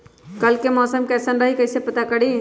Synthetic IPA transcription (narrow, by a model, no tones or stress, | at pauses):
kəlkemɔsəmkɛsənɾəɦikəɦsepət̪akəɽi